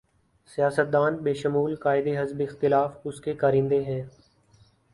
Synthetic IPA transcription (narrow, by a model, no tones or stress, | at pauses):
sijaːsət̪̚d̪aːnbeːʃəmuːlkaːɪd̪eɦɐzbɪxt̪ɪlaːfʊskekaːɾɪ̃ːnd̪eɦɛ̃ː